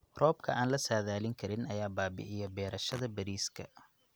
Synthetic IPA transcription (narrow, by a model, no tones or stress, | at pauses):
rɔːbkʰɐʔaːnlɐsaːðaːlɪŋkʰɐɾɪnɐjaːbaːbɪ̰ʔɪjɐbɛːɾɐʃɐðɐbɐɾiːskʰɐ̰